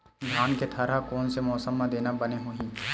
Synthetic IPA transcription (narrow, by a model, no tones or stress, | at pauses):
ɡ̪ʱaːnket̪ʰɐɾakɔːnsemɔːsəmːãd̪eːnabəneɦuɦĩː